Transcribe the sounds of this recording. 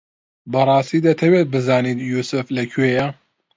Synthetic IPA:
bɐrˤɑːst̪iːd̪ɐt̪ʰɐweːt̪̚bɨzaːnit̪juːsʊflɐkʰweːjɐ

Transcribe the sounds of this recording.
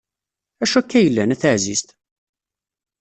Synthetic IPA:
æʃækːæjəlːænæθəʕzist̪

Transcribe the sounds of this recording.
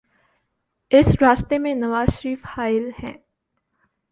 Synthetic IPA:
ɪsɾaːst̪emẽnɐʋaːzʃəɾiːfhaːɪlhɛ̰̃ː

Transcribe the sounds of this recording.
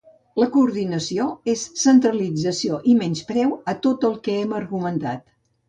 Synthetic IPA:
ləkuːɾðinəsioesːənt̪ɾəlid͡zəsioʔimɛnspɾɛwət̪ot̪əlˠkɛɛmərɣumənt̪at̪

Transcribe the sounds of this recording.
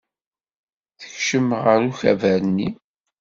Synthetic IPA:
θə̥çʃəmʁəɾuçæ̰væɾənːi

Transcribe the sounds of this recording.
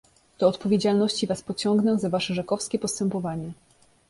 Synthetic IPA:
t̪ɔːt̪pɔvʲjed͡ʑalnɔɕt͡ɕivaspɔt͡ɕɔŋɡnɛzavaʂɛʐɛkɔfskʲɛpɔst̪ɛmpɔvaɲɛ

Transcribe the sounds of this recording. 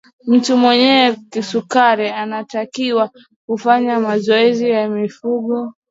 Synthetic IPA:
m̩tumwɛɲɛːkisukaɾianatakiwa | kufaɲamazɔɛzijamifuɠɔ

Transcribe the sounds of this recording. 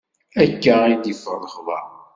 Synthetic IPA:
ækːæid̪ifə̰rˤːəχðˤɑ̰

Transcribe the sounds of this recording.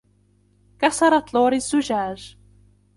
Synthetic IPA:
kasɑɾˤɑt̪ˤloːɾɪzːʊʒaːʒ

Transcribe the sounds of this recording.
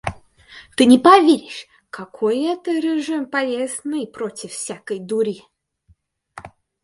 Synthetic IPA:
t̪ɨnʲɪpɐvʲeɾʲɪʂ | kɐkʰojɛt̪əɾʲɪʐɨmpɐlʲeznɨpɾotʲɪffsʲakəjd̪ʊɾʲi

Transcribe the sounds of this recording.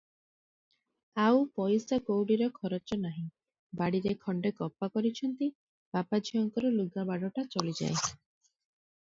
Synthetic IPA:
awpɔjsakowɽiɾɔkʰɔɾot͡ʃɔnaɦĩ | baɽiɾekʰɔɳɖekɔpːakɔɾit͡ʃʰɔnt̪i | b̥apad͡ʒʱiɔŋkɔɾɔluɡabaɽɔʈat͡ʃɔlid͡ʒa̰e

